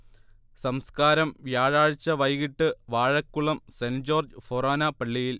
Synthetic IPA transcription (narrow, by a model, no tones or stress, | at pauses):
sɐmskaːɾɐmʋjaːɻaːɻit͡ɕːɐʋɐjɣiʈːɨʋaːɻɐkːuɭɐmsend͡ʑo̞ːrd͡ʑɨforaːnɐpɐɭːijil